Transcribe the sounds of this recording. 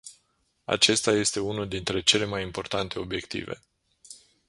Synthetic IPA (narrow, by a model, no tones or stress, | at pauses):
a̰t͡ʃe̞st̪aje̞st̪e̞unuld̪int̪ɾe̞t͡ʃe̞le̞majimpo̞rt̪ant̪e̞o̞bje̞kt̪ḭve̞̰